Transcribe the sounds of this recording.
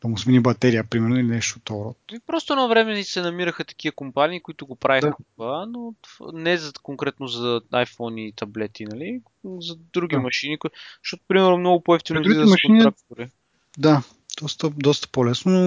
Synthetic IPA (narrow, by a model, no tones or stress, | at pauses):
p̪ɐmusminibɐt̪ɛɾiəpɾimɛɾnʊilinɛʃt̪ot̪oɾɔt̪ipɾɔst̪oɛnɔvɾɛmɛnisɛnɐmiɾəxət̪ɐ̥k̟iəkompaniːkʊit̪ʊɡopɾavixət̪ovanot̪va̰nɛzɐkoŋkɾɛt̪nozɐajfɔniːt̪ʰɐblɛt̪inɐli | zɐd̪ɾuɡ̟ʲimɐʃinikʃt̪ɔt̪ʊ̥pɾimɛɾnomnɔɡʊpoɛft̪inɾuid̪mɐʃinɾak̚toɾi | d̪a | d̪̥ɔst̪əd̪ɔst̪ə̥polɛsnono